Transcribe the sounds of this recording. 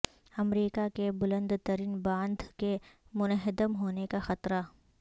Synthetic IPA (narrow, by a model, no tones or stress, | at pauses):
ɐmɾiːkakebʊlə̃nd̪t̪əɾiːnbãːnd̪ʱkemʊnəɦɪd̪əmɦoːnekaxɐt̪ɾa